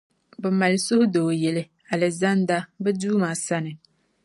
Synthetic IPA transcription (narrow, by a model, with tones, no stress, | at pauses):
bɛ˨ma˨lɪ˨sʊ˦hʊ˦doː˨jɛ˨lɪ˦ | a˨lɛ˨za˦nda˦bɛ˦duː˦maː˨sa˦nɨ˨